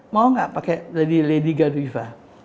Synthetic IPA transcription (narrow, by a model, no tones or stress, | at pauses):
mauŋɡaʔpakɛʔledilediɡaduɡifa